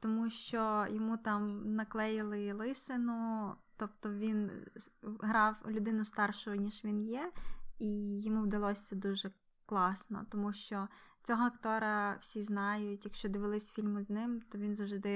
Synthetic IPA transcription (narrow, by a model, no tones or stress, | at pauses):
t̪ɔmuʃt͡ʃɔjɔmut̪ɑmnɐklˠɛjɪlˠɪlˠɪsɪnʊt̪ɔpt̪ɔʋʲin | ɦɾɑwlʲʊd̪ɪnʊst̪ɑrʃʊjʊnʲiʒʋʲinjɛijɔmuwd̪ɐlˠɔsʲɛd̪uʒɛ | klˠɑsnɔ̰t̪ɔmuʃt͡ʃɔt͡sʲɔɦɔɐkt̪ɔɾɐwsʲiznɑjʊtʲjɐkʃt͡ʃɔd̪ɪʋɪlˠɪsʲfʲilʲmʊznɪmt̪ɔʋʲinzɐwʒd̪ɪd̪ɪ